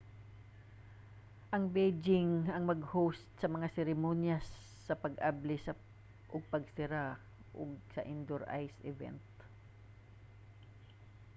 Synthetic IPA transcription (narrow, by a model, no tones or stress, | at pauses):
ʔɐŋbed͡ʒɪŋɐŋmɐɡhost̪̚sɐmɐŋasɛɾɪmonjasː | ɐpɐɡʔablɪsɐ | ʔʊɡ̚pɐɡsɪɾa | ʔʊ̰ɡ̚sɐʔɪnd̪oɾʔa̰jsʔɪvɛ̰nt̪̚